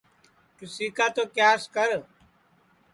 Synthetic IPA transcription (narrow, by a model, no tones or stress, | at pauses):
t͡ʃusiːkaːt̪oːkjaːskəɾ